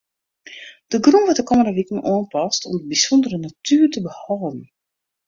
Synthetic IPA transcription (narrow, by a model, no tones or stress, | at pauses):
d̥əɡrunʋɔtəkoməndəʋikən̩ʔɔənpɔstɔ̰mdəbisɔndərənatʰyːrtəbəhɔːdn̩